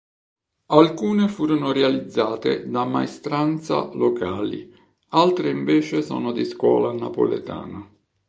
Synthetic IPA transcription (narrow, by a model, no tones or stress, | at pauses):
alkuːnefuːɾonorealid̪zːaːt̪ɪ̰d̪ama̰est̪ɾant̪sa̰lokaːlḭ | alt̪ɾeiɱveːt͡ʃesɔ̰ːnod̪iskwɔ̰ːlanapo̰lḛt̪a̰ːna